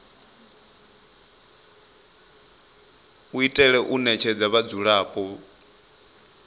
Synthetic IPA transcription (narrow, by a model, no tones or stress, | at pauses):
uitʼɛɺɛʔunɛt͡ʃʰɛd͡zaβad͡zuɺaːpʼɔ